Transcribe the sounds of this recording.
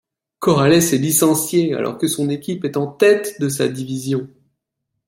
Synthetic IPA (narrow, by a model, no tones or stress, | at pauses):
kɔʁalɛsɛlisɑ̃sjea̰lʔɔ̰ʁkəsɔ̃nekʲipɛt̪ɑ̃t̪ɛt̪d̪əs̬a̰d̪ivizjɔ̃